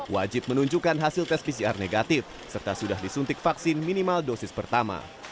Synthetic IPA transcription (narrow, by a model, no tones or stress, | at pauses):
wa̰d͡ʒɪp̚mənuɲd͡ʒukanɦasɪlt̪ɛspis̬iarneɡat̪ɪf | sərt̪asudahdisunt̪ɪk̚faksɪnminimaldosɪspərt̪ama̰